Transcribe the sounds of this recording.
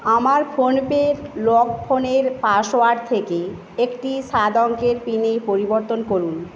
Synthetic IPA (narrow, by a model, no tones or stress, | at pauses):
amaɾfʰonpeɾlɔkpʰoneɾpaʃoaɖt̪ʰeke | ekʈiʃad̪ɔŋkeɾpinejpoɾiboɾt̪onkoɾun